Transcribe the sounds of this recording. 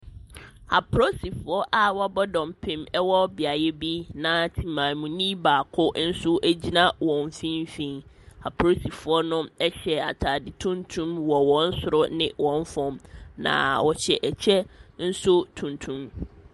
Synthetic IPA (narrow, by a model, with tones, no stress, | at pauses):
ha˨pʰɾo˦si˨fʊ˨ɔ˦ʔa˨wɔ˦bɔ˦dɔ̃˨mpʰɪ̃˨mɛ˦wɔ˦bɪ˨a˨jɛ˦bi˦nã˨tʰĩ˨mãː˨mũ˨nĩ˦baː˨kʰʊ˦n̩˦sʊ˦ʔæ˦d͡ʑi˦nã˦wɔ̃˨ɱ˨fĩ˦m˦fĩ˦n | ha˨pʰɾo˦si˨fʊ˨˦ɔ˦nʊ̃˦ɛ˦ɕɛ˨a̰˨tʰa˨dɪ˨tʰũ˦ntʰũ˦mwɔ˨wɔ̃˦n̩˦sʊ˨ɾʊ˦nɪ̃˦wɔ̃˨ɱ˦fɔ̃˨mnã̰˨wɔ˨t͡ɕɛ˨ʔɛ˨t͡ɕʰɛ˦n̩˦sʊ˦tʰũ˨ntʰũ˦m